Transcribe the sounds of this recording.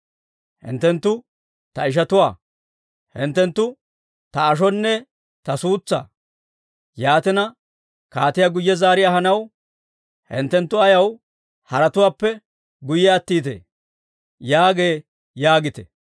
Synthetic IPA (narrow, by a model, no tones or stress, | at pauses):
hɪ̰nt̪ːɛnt̪ːʊ | t̪ɐɪʃ̬ɐt̪ʊwa̰ː | hɪnt̪ːɛnt̪ːʊ | t̪ɐːʃ̬ɔnːɛ | t̪ɐsuːt͡sːa̰ː | jaːt̪ɪnɐ | kaːt̪ɪjaɡʊjːɛzaːɾɪjaːhɐnɐw | hɪ̰nt̪ːɛnt̪ːʊɐjɐw | hɐɾɐt̪ʊwaːpːɛ | ɡʊjɛɐt̪ːiːt̪ḛ | jaːɡe̞ː | jaːɡɪt̪ɛ̥̰